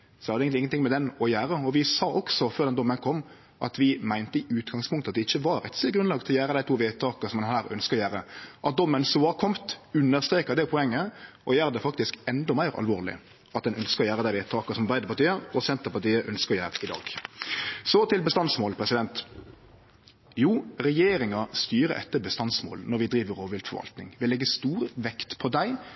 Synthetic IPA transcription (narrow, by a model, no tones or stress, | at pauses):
sɔʋɑɾdɛɪənɪŋənt̪ɪŋmɛd̪ɛnɔjæːɾəɔʋɪsɑːʔɔksɔføːɾd̪ɛnd̪ɔmːənkʰɔmː | ʔɑ̰t̪ʋɪmæɪnt̪əɪʔʉːt̪ɡɑŋspʰʊŋkt̪ɑt̪d̪ɛɪçːəʋɑɾɛt̪slɪɡɾʉnɑːɡt̪ʰɪlɔjæːɾəd̪æɪt̪ʰuːʋeːt̪ʰɑːkəsɔmd̪ɛnɦæːɾœ̰nskəɾɔjæːɾəʔɑt̪̚d̪ɔmːənsoːɑkʰɔmt̪ʉnːəɾst̪ɾeːkəɾd̪ɛpʰɔɛŋːəɔjæːɾəd̪ɛfɑkt̪ɪskɛnd̪ɔmæɪɾɑ̰lʋoːʁlɪ̰ | ɑt̪̚d̪ɛnœnskəɾɔjæːɾəd̪æɪʋeːt̪ʰɑːkəsɔmbæɪd̪əpʰɑɾt̪iːəɔsɛnt̪əpɑt̪iːəʔœnskəɾɔjæːɾəɪd̪ɑ̰ːɡ̥ | sɔt̪ʰɪlbəst̪ɑnsmoːlpʰɾɛsɪd̪ɛnt̪ | juːɾɛjeːɾɪŋɑst̪yːɾə̰ʔɛ̰t̪ːəbəst̪ɑnsmo̰ːlnɔɾʋɪd̪ɾiːʋəɾoːʋɪlfɔɾʋɑ̰lt̪nɪŋʋɪlɛɡːəst̪uːɾəʋɛkt̪pʰɔd̪æɪ